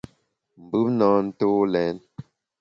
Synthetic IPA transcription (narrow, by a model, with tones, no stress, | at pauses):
m̩˨bʉ˦pnɔ˨˦n̩˦to˦lɛ˨˦n